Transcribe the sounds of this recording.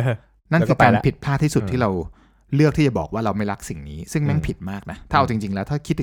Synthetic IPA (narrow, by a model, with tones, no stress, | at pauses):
na˥˩n˧kʰɯː˧kaː˧nnpʰi˨˩t̪̚pʰlaː˥˩t̪ʰːiː˥˩su˨˩t̪ʰːiː˥˩ɾa˧w | lɯ˥˩ək̚t̪ʰiː˥˩a˨˩bɔː˨˩k̚waː˥˩ɾa˧wma˥˩jɾa˦˥k̚si˨˩ŋniː˦˥sɯ˥˩ŋma˥˩ŋpʰi˨˩t̪̚maː˥˩k̚na˦˥t̪ʰaː˥˩ʔa˧wt͡ɕi˧ŋt͡ɕi˧ŋlɛː˦˥wt̪ʰaː˥˩kʰi˦˥t̪̚ː